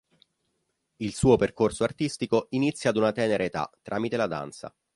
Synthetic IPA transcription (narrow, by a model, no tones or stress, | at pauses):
ilsuːoperkorsoart̪ist̪ikoinit̪sːjaːd̪unat̪ɛːneɾaet̪a̰t̪ːɾʔaːmit̪elad̪a̰nt̪sa̰